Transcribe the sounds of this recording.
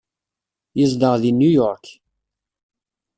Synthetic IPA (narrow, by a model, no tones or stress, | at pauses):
jəzd̪əʁðinːujɔɾk